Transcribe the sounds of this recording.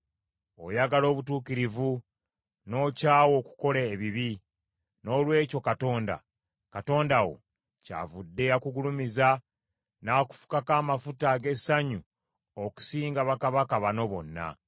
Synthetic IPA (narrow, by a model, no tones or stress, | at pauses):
o̞̰jaɡalo̞ːβutuːkiɾivu | no̞ːcaːwo̞ku̥ko̞leːβiβi | no̞ːlwe̞ːco̞kato̞ːnda̰ | kato̞ːndawo̞̰ | ca̰ːvudːe̞akuɡulumiza | naku̥fu̥kakaːmafutaɡe̞saɲu | oku̥siːŋɡaβakaβakaβano̞βo̞̰nːa̰